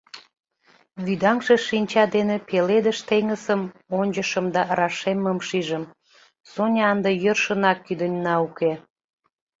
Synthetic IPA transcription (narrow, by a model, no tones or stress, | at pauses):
βyd̪ɑŋʒeʃinʲt͡ɕɑd̪enepeled̪əʃt̪eŋəsəmonʲd͡ʑəʃəmd̪ɑɾɑʃemːəmʃiʒəm | sonʲɑnd̪əjərʃənɑkːyd̪ənʲnɑuke